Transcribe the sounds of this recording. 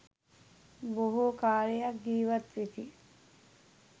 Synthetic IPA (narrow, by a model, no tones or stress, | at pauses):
boɦukaːɾijak̚ɡiːʋat̪sit̪i